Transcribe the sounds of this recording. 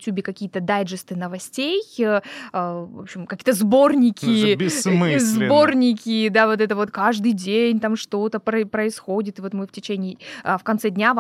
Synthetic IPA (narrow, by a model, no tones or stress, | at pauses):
tʲubʲɪkɐkʲijət̪əd̪ajʐɨst̪ɨnəvɐsʲtʲej | əvo̰pɕɪmkɐkʲijət̪əzbo̞rnʲɪkʲɪbʲzbo̞rnʲɪkʲɪd̪avo̞t̪ɛt̪əvo̞t̪kaʐd̪ɨjdʲenʲt̪amʂt̪o̞t̪əpɾəpɾəɪsxo̞dʲɪt̪ɨvo̞t̪mɨftʲɪt͡ɕenʲɪːəfkɐnt̪sɛdʲnʲav